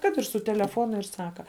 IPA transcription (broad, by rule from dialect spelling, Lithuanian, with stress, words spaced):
ˈkɐt ɪr sʊ tʲɛlʲɛˈfoːnʊ ɪr ˈsɑːkɐ